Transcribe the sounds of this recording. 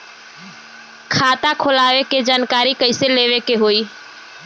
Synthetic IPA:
kʰat̪akʰolaʋeked͡ʒaːnkaɾikəɪseleʋekeɦoi

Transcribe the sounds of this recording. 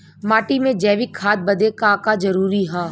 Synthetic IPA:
maːʈimẽd͡ʒɛːʋɪkʰːaːt̪̚bɐd̪ekãːkad͡ʒɐɾuːɾiɦaː

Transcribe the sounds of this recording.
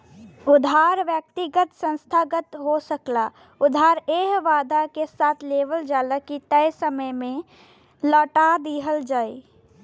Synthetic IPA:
ʊd̪ʱaːɾʋjək̚t̪iɡət̪sə̃nst̪ʰaːɡət̪ɦosəkla | ʊd̪ʱɦaːɾeːɦʋaːd̪akesaːt̪ʰleːʋəld͡ʒaːləkit̪əjsəməjmẽ | lɔːʈad̪iɦəld͡ʒaːi

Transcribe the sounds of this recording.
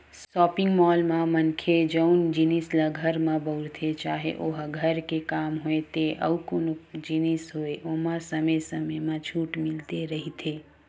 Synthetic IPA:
sɔːpiŋɡmɔːlmãmənkʰed͡ʒəʊnd͡ʒinisləɡʱəɾmãbəʊɾt̪ʰet͡ʃaːɦḛʔoɦɡʱəɾkekaːmɦoet̪eʔə̰ukonod͡ʒinisɦoeʔoɦmãsəməjsəmemãt͡ʃʰuːʈmɪlt̪eɾəɦit̪ʰe

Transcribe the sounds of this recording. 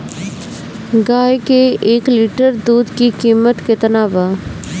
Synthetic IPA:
ɡaːjkeeːkliːʈəɾd̪uːd̪kikiːmət̪ket̪ɐnaːʋa

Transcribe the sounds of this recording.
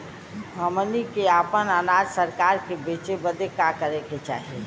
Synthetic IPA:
ɦəmənikeapənanad͡ʒsəɾkaɾkebet͡ʃebəd̪ekakəɾeket͡ʃa̰ːɦie

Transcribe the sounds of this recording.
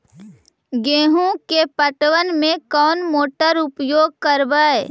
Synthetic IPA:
ɡeːɦõkepəʈʋənmẽkɔːnmoːʈəɾʊpjoːɡ̚kəɾʋae

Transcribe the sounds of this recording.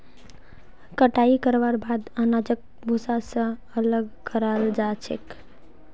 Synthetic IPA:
kəʈaikəɾʋaɾbad̪anad͡ʒək̚ | bʱusasə̃ | ələɡkəɾald͡ʒat͡ʃʰḛk

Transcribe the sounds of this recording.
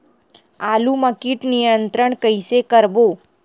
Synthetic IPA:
aluməkiʈnijənt̪ɾəɳkəjsekəɾʋo

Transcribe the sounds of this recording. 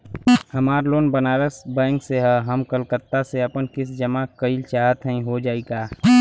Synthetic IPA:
hɐmaːɾloːnbənaːɾəsbɛ̃ːŋkseɦɛɦəmkəlkət̪ːaseɐpənkɪs̬d͡ʒəmakəilt͡ʃaːɦət̪ɦə̃ĩɦod͡ʒaːiɡaː

